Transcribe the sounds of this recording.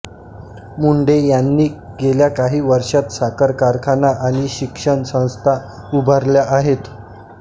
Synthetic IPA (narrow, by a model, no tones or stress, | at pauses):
muɳɖejanːiː | ɡeljakaɦiːʋəɾʂat̪sakəɾkaɾkʰanaʔaɽ̃iːɕikʂəɳsə̃w̃st̪ʰa | ubʱəɾljaʔaɦet̪